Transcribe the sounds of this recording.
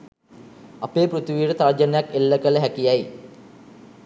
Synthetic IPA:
apeːprut̪ʋiːɾət̪ard͡ʒənəjakelːəkələɦækijaj

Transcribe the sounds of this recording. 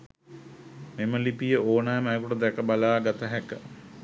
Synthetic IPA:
meməlipijəʔoːnajmajəkuʈəd̪ɛkəbalaːɡat̪əɦɛkə

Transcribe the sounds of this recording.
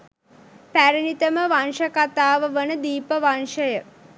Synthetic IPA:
pæɾənit̪əməʋanʃəkat̪aːʋəʋənəd̪iːpəʋanʂəjə

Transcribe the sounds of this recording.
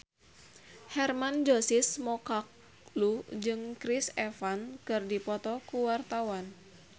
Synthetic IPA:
hɛrmand͡ʒosɪsmɔkak̚ | lud͡ʒɨŋkɾisɛfankɨrdipɔt̪ɔkuwart̪awan

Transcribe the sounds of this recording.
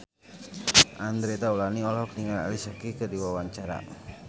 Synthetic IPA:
ʔand̪ɾet̪aulaniɔlɔk̚niŋala̰lisakikədiwawaɲt͡ʃaɾa̰

